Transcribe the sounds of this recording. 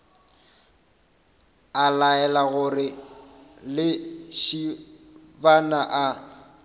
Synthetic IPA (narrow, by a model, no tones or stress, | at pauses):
alaɛlaɣʊrɪ | lɪʃi | banaʔa